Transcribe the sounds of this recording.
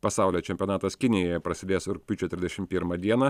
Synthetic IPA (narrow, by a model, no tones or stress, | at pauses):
pɐsɑˑʊlʲoːt͡ʃʲɛmʲpʲiɔnɑːt̪ɐskʲɪnʲɪjojɛpɾɐsʲɪd̪ʲeːsʊɾkpʲʊt͡ʃʲɛt̪ʲɾʲɪzʲd̪ʲɛʃʲɪmpʲiɾmɐd̪ʲiɛnɐ